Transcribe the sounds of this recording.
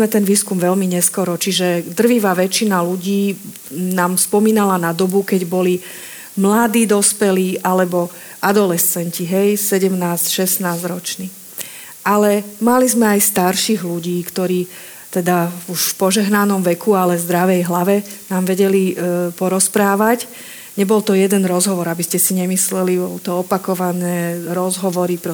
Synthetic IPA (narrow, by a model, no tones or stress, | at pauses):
mɛt̪ɛnʋiːskumʋɛlmiɲɛskɔɾɔt͡ʃiʒɛd̪r̩ʋiʋaːʋɛt͡ʃinaluɟiː | naːmspɔmiːnalanad̪ɔbukɛɟbɔli | mlad̪iːd̪ɔspɛliːʔalɛbɔ | ʔad̪ɔlɛst͡sɛɲciɦɛjsɛɟɛmnaːscʃɛsnaːzɾɔt͡ʃniː | ʔalɛmalizmɛajst̪aɾʃiɣluɟiːkt̪ɔɾiː | t̪ɛd̪auʃfpɔʒɛɦnanɔmʋɛkʰualɛvzd̪ɾaʋɛjɦlaʋɛnaːmʋɛɟɛlipɔɾɔspɾaːʋac | ɲɛbɔlt̪ɔjɛd̪ɛnɾɔzɦɔʋɔɾabiscɛsiɲɛmislɛlibɔlt̪ɔɔpakɔʋanɛːɾɔzɦɔʋɔɾipɔ